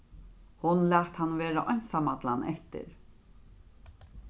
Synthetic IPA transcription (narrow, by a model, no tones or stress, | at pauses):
hʊnlæːt̪hanːveːɾaʔɔnsamat̪la̰nʔɛht̪ɪ̰ɾ